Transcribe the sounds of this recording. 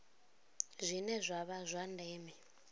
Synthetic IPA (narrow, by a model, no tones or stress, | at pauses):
zʷinɛzʷaβazʷandɛːmɛ